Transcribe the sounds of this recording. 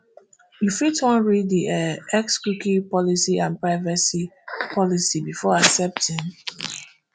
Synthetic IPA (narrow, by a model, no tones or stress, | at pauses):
jufitwɔ̃nɹidiɛɛkskɹukipɔlisiãnpɹaɪvasipʰɔlisibifɔaksɛp̚tĩŋ